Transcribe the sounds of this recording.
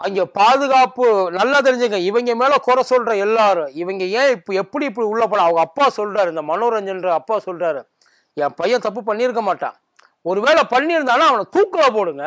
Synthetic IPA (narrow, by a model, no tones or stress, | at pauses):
ɐŋɡepaːðɯɣaːpɯnɐlːat̪̬ɪɾɪɲd͡ʒɪŋɡɐɪʋɐŋɡemeːlɐkɔɾɐsɔlɾɐɛlːaːɾɯ̃ɪʋɐŋɡejẽːɪpːɛpːɐɽiɪp̬ːɐɽiʊɭːɐp̬ːɐɽãːɐʋɐŋɡɐːpːaːsɔlːraːɾɯɪnd̪ɐmɐnoːɾɐɲd͡ʒɐnrɯɐpːaːsɔlraːɾɯ | ɛ̃ːpɐjɐ̃t̪ɐp̬ːɯpɐɳːiɪɾɯkːɐmaːʈːã̰ː | ɔɾɯʋeːɭɐpɐɳːiɾɯnd̪aːnːaːɐʋɐnɐt̪uːkːɐɭɐp̬oːɽɯŋɡɐ